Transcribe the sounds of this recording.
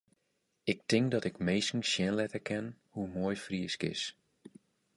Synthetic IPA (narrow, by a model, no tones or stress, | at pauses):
ɪk̚tɪŋkdɔtɪkmejsn̩ʃjɛnlɛtəkʰɛnhumoːjfriəskɪ̰s